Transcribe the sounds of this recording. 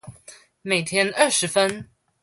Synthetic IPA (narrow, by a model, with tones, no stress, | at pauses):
me˨˩ɪt̪ʰjɛ˥nə˥˩ʂɻ̩˨˦fə˦n